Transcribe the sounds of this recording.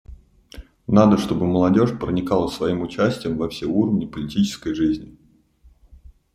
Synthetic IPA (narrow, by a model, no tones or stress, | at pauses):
nad̪əʂt̪o̞bɨməlˠɐdʲo̞ʂpɾənʲɪkalˠəsvɐimʊt͡ɕæsʲtʲɪjəmvɐfsʲeuɾəvʲnʲɪpəlʲɪtʲit͡ɕɪ̥skəjʐɨzʲnʲɪ